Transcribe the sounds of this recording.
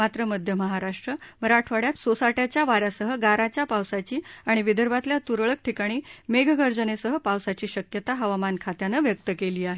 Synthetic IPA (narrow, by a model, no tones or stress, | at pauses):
mat̪ɾəməd̪ʱjəməɦaɾaʂʈɾəməɾaʈʰʋaɽjat̪sosaʈjat͡ɕjaʋaɾjasəɦəɡaɾat͡ɕjapawsat͡ɕiːaɽ̃iʋid̪əɾʋat̪ljat̪uɾɭək̚ʈʰikaɽ̃iːmeɡʱɡəɾd͡zənesəɦəpawsat͡ɕiːɕəkjət̪aɦəʋamankʰat̪janəʋjək̚t̪əkeliːaɦe